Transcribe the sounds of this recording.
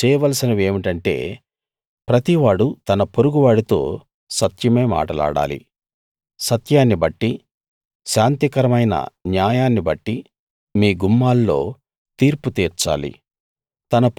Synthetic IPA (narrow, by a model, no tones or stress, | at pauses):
t͡ʃɛːjʋɐlsinɐʋe̞ːmiʈɐɳʈe̞̰ː | pɾɐt̪iʋaːɽut̪ɐnɐpoɾuɡuʋaːɽit̪o̞̰ː | sɐt̪jɐme̞ːma̰ːʈɐla̰ːɽa̰ːlḭ | sɐt̪jaːnːibɐʈːi | ʃaːnt̪ikɐɾɐmɐjnɐ̰njaːjaːnːibɐʈːi | miːɡumːaːlːo̞̰ː | t̪iːɾput̪iːɾt͡ʃa̰ːlḭ | t̪ɐnɐ